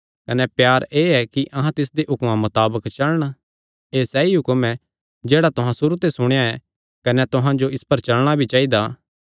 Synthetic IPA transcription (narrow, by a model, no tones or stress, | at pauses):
kɐnɛpjaːɾeːɛkiʔɐ̃ɦãt̪ɪsd̪eʔɦʊkmãmɐt̪aːbəkt͡ʃɐlɽ̃a | eːsɛiɦʊkmɛ | d͡ʒeːɽat̪ʊɦãsʊɾut̪esʊɽ̃jaɛ | kɐnɛt̪ʊɦãd͡ʒoɪspɐɾt͡ʃɐlɽ̃abʱit͡ʃaːid̪aː